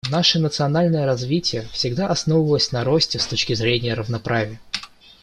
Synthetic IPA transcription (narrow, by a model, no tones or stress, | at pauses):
naʂənət̪sɨɐnalʲnəjəɾɐzvʲitʲɪjəfsʲɪɡd̪aʔɐsnovəvəlˠəsʲnɐɾosʲtʲɪst̪o̞t͡ɕkʲɪzɾʲenʲɪjəɾəvnɐpɾʔavʲɪjə